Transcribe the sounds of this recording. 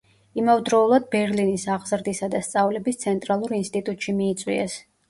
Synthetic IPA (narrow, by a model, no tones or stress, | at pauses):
imavd̪ɾɔulˠad̪̚bɛɾlinisaʁzɾd̪isad̪ast̪sʼavlɛbist̪sʰɛnt̪ʼɾalˠuɾinst̪ʼit̪ʼut̪ʼʃimiːt̪sʼwḭɛs